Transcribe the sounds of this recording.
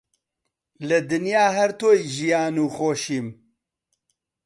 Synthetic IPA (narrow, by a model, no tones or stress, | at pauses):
lɨd̪ɨnjaːɦɛɾt̪oːjʒijaːnuːxoːʃiːm